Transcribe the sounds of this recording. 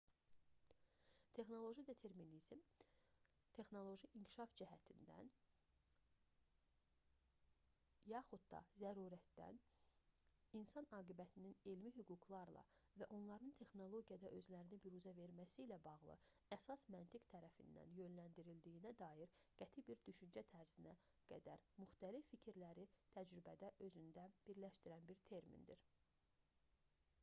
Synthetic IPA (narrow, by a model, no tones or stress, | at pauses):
t̪ʰe̞xno̞lˠo̞ʒid̪e̞t̪ʰe̞ɾminizm | t̪ʰe̞xno̞lˠo̞ʒiʔiŋcʰi̥ʃɑfd͡ʒiɦæt̪ʰind̪æ̰n | jɑxud̪d̪ɑ̰zæɾuːɾæt̪d̪æ̰n | insɑnɑːɡibæt̪ʰininelmiɦyɡuɡlˠɑɾlˠɑ̰væʔo̞nlˠɑɾɯnt̪ʰe̞xno̞lˠo̞ɡijɑd̪ɑʔø̞zlæɾinibiɾuzæve̞ɾmæsiːlæbɑɣlˠɯ̰ | æsɑsmænt̪ʰikt̪ʰæɾæfḭnːæ̰njø̞nlænd̪iɾild̪ijinæd̪ɑːjiɾɡ̥æt̪ʰibiɾd̪yʃynd͡ʒæt̪ʰæɾz̥inæ | ɡ̥æd̪æɾmyxt̪ælifːicʰiɾlæɾit̪ʰæd͡ʒɾybæd̪æʔø̞zynd̪æb̥iɾlæʃt̪iɾænbiɾt̪ʰe̞ɾmḭnd̪iɾ